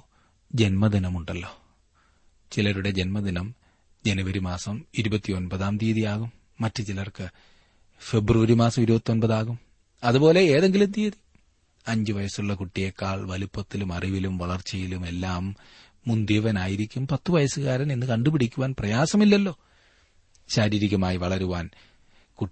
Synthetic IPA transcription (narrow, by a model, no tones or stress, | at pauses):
d͡ʑe̞nmɐd̪inɐmuɳɖɐlːo̞ː | t͡ɕilɐɾuɽe̞d͡ʑe̞nmɐd̪inɐm | d͡ʑe̞nɐʋɐɾimaːsɐmiɾubɐt̪ːio̞nbɐðaːmt̪iːɐðijaːɣumː | ɐtːɨt͡ɕilɐrkɨ | fe̞bruʋɐɾimaːsɐmiɾubɐt̪ːionbɐðaːɣum | ɐðubo̞ːle̞eːðe̞ŋɡilumt̪iːði | ɐɲd͡ʑɨʋɐjɐsuɭːɐkuʈːijekːaːɭʋɐlupːɐt̪ːilumɐriʋilumʋɐɭɐrt͡ɕːɐjilume̞lːaːmː | und̪iʋɐnaːjiɾikʲːumpɐt̪ːuʋɐjɐsɨɣaːɾɐninːɨkɐɳɖubiɽikʲːuʋaːnprɐjaːsɐmilːɐlːo̞ː | ɕaːɾiːɾikʲːɐmaːjiʋɐɭɐɾuʋaːn | ku